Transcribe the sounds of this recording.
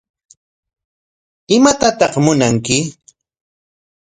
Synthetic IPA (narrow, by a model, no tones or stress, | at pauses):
ɪmat̪at̪ɑqmʊnaŋkɪ